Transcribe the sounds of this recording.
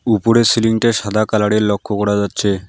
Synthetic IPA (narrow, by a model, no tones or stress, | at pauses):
upoɾesiliŋʈaʃad̪ʱakalaɽiɾlɔkʰːokɔɽad͡ʑatːɕʰe